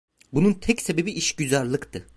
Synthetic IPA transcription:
bununt̪ʰɛcsebebiʔiʃɟyzæɾlˠɯkt̪ʰɯ

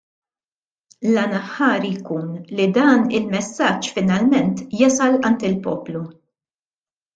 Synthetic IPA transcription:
lɐnɐħːɐːɾijkuːnlid̪ɐːnɪlmɛsːɐt͡ʃːfɪnɐlmɛnt̪jɐsɐlʔɐnt̪ɪlpɔːplu

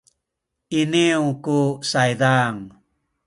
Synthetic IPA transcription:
iniwkusajdaŋ

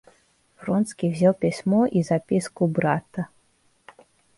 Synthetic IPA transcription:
frɔnt̪skʲivzʲalˠpʲisʲmɔʔizapʲiskubɾat̪ə

